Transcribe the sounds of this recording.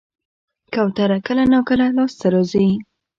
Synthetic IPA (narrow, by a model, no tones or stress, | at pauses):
kawt̪aɾakəlanawkəlalɑst̪aɾozəi